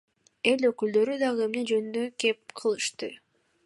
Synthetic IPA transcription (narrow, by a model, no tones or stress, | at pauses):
e̞lʲø̞kyld̪ø̞ɾyd̪ɑʁɯe̞mne̞d͡ʒø̞nynd̪øke̞p̚qʰɯlˠɯʃt̪ɯ